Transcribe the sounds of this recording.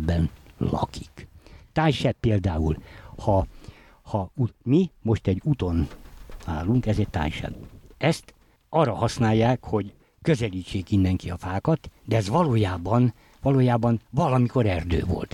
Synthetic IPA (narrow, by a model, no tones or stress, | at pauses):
bːɛnlɒ̰ki̥kt̪aːjʃɛpːeːld̪aːulhɒ | hɒumimo̞ʃt̪ɛɟːut̪o̞na̰ːluŋkɛzetʲt̪a̰ːjʃɛ̰bɛst̪ | ɒrːɒhɒsnaːjːaːkho̞ɟ | køzɛliːt͡ʃːeːkindːɛŋkiɒfaːkɒt̪d̪ɛɛzʋɒloːjaːbɒn | ʋɒloːjaːbɒnvɒlɒmiko̞ɾɛrd̪ø̰ːvo̰lt̪